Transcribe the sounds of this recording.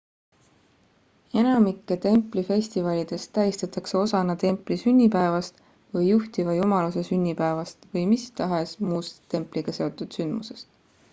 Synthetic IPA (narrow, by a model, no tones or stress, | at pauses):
e̞nɑmikːˑe̞t̪e̞mpˑlife̞sʲt̪ivɑlʲid̪̥e̞st̪ːæjist̪ɑt̪ˑɑkse̞o̞sɑnɑt̪e̞mplisynʲːipæevɑst̪ | vɤjːuht̪ivɑjumɑluse̞synʲːipæevɑst̪vɤjmist̪ɑɦe̞smuːst̪e̞mpˑliɡ̥ɑse̞o̞t̪ːˑud̪̥synd̪muse̞̥st̪